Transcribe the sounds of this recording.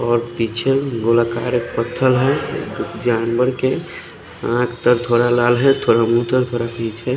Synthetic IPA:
ɔɾpit͡ʃʰeɡolakaɾekpət̪ʰːəlɦɛ̰ | d͡ʒanbəɾke | ãkt̪əɾt̪ʰoɾalalɦɛt̪ʰoɾamut̪əɾt̪ʰoɾapit͡ʃʰɛ

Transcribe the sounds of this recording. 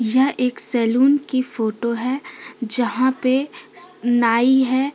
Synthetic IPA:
jɐɦeːksɛːluːnkifoːʈoɦɛd͡ʒɐɦãpe | naːiɦɛː

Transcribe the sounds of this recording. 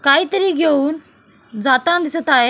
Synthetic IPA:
kaːit̪əɾiɡeuːn | d͡zaːt̪ãd̪ɪsət̪ae

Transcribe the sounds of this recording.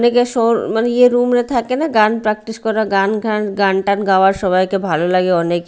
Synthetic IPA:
nekeʃoːɾmɐnjeɾuːmɾet̪ʰakenaɡaːnpɾɛːk̚ʈɪskɔɾaɡaːnɡãnɡaːɳʈanɡaːʋasɔʋajkebʱaːlolɐɡeoːnek

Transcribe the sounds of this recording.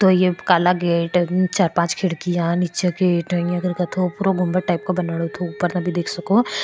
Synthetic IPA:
t̪ojekaːlaɡeːʈt͡ʃaːɾpãːt͡ʃkʰɪɽkijanit͡ʃeɡeːʈə̃ɐɡəɾkɐt̪ʰopuːɾoɡʊ̃mbəʈaːɪp̚kabɐnaːɽot̪ʰouːpəɾnɐbʱid̪eːkʰsɐkoː

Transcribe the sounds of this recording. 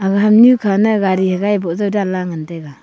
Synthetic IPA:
aɡaɦamɲukʰanaɡaɾihaɡajbɔzawdalaŋanteɡa

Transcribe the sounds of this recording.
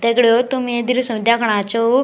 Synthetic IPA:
t̪ekɽjot̪umid̪iɾsũd̪jakʰɽ̃ãt͡ɕo

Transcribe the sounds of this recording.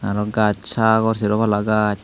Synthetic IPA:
naɾɔɡat͡ʃakɔrsiɾɔβalaɡat͡ʃ

